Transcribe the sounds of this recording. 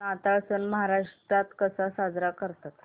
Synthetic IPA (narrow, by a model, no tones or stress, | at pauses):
at̪aɭsənməɦaɾaʂʈɾat̪kəsasad͡zɾakəɾt̪at̪